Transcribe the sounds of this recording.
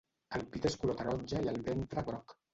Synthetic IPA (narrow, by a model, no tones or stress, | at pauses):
əlpit̪eskulot̪aɾɔɲʲd͡ʒaiəlˠβent̪ɾaβɾɔk